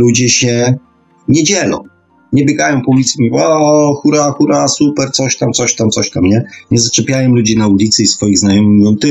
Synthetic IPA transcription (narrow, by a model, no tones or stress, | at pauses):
lud͡ʑɛɕɛ | ɲɛd͡ʑɛlɔ̰̃w | ɲɛbʲjɛɡajɔ̃w̃pɔulʲit̪smʲivaxuɾaxuɾasupɛɾt̪sɔɕt̪amt̪sɔɕt̪amt̪sɔɕt̪amɲɛɲɛzat͡ʂɛpʲjajɔ̃w̃lud͡ʑinaulʲit̪sɘisfɔjiɣznajɔmɨmiɔnt̪ɪ